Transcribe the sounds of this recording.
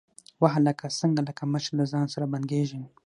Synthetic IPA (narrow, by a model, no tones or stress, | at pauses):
waɦləkasəŋɡaləkaməʃɾlazɑnsaɾabanɡeʒən